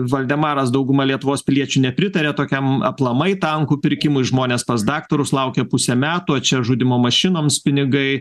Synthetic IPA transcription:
ʋɐlʲd̪ʲɛmɑːɾɐsd̪ɐʊɡʊmɐlʲiɛt̪ʊʋoːspʲɪlʲiɛt͡ʃʲunʲɛpʲɾʲɪt̪ɐɾʲeːt̪oːkʲɛmɐplˠɐmɐɪt̪ɐŋkuːpʲɪɾʲkʲɪmʊɪʒmoːnʲeːspɐsd̪ɑːkt̪oɾʊslˠɐʊkʲepʊsʲɛmʲæːt̪uːɐt͡ʃʲɛʒʊd̪ʲɪmoːmɐʃʲɪnoːmspʲɪnʲɪɡɐɪ

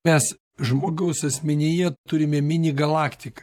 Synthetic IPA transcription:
mʲɛs | ʒmoːɡɐʊsɐsʲmʲɛnʲɪjɛt̪ʊɾʲɪmʲɛmʲɪnʲɪɡɐlˠɑːkt̪ʲɪkɐ̥

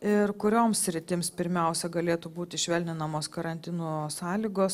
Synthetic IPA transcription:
ɪɾkʊɾʲoːmssʲɾʲɪt̪ʲɪmspʲɪɾʲmʲɛʊsʲɛɡɐlʲeːt̪uːbuːt̪ʲɪʃʲʋʲɛlʲnʲɪnɐmoːskɐɾɐnʲt̪ʲɪnuːsɑːlʲiːɡoːs

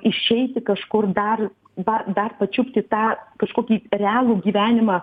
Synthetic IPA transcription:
ɪʃʲɛɪt̪ʲɪkɐʃkʊrd̪ɐr | bɐd̪ɐrpɐt͡ʃʲʊpʲt̪ʲɪt̪ɑːkɐʃkoːkʲiːɾʲɛɑːlˠuːɡʲiːʋʲæːnʲɪmɑː

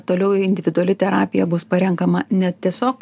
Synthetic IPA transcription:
t̪oːlʲɛʊɪnʲd̪ʲɪʋʲɪd̪ʊɐlʲɪt̪ʲɛɾɑːpʲɪjɛbʊspɐɾʲɛŋkɐmɐnʲɛtt̪ʲiɛsʲoːk

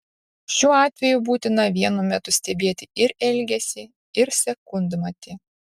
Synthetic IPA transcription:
ʃʲuːɑːt̪ʲʋʲɛjʊbuːt̪ʲɪnɐʋʲiɛnʊmʲɛt̪ʊsʲt̪ʲɛbʲeːt̪ʲɪɪɾɛlʲɡʲɛsʲɪ | ɪɾsʲɛkʊnʲd̪mɐt̪ʲɪ

